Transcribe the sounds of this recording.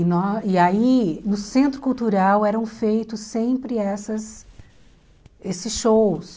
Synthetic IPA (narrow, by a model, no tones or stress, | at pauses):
ɪnɔɪainʊsẽnt̪ɾʊkuwt̪uɾawɛɾɐ̃w̃fejt̪ʊsːẽpɾɪɛsɐs | esɪsʃows